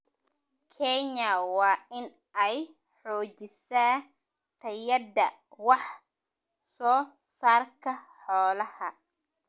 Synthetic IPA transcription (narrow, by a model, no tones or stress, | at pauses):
kʰɛɲɐwɑːɪn | ɛj | ħɔːt͡ʃɪsaː | t̪ʰɐjɐd̪ɐ | wɑħ | sɔː | saːrkʰɐħɔːlɐhɐ